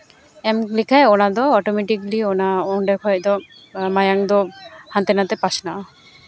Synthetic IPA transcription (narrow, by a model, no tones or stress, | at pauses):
ɛmlikʰajɔnad̪ɔɔʈɔmeʈikliɔnaɔɳɖɛkʰɔjd̪ɔ | majaŋd̪ɔhant̪ɛnat̪ɛpasnaʔɔ